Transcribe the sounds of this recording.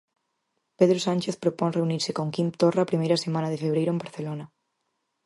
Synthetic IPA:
peðɾosanʲt͡ʃeθpɾopoŋreuniɾsekoŋkimp̚t̪oraːpɾimejɾasemanaðefeβ̞ɾejɾoembaɾθelona

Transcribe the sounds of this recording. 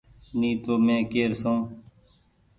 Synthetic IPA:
nĩːt̪oːmẽːkeːɾsõː

